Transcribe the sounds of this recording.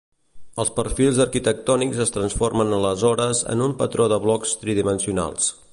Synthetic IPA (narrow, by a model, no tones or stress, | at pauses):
əlˠspərfilˠzəɾkit̪ək̚t̪ɔnikzəst̪ɾənsformənələzɔɾəzə̰numpət̪ɾoðəβlɔkst̪ɾiðimənsiuna̰lˠs